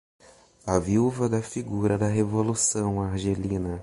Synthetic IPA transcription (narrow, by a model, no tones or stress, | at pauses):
ɐviwvɐd̪ɐfiɡuɾɐd̪ɐɦevolusɐ̃w̃aɾʒelĩnɐ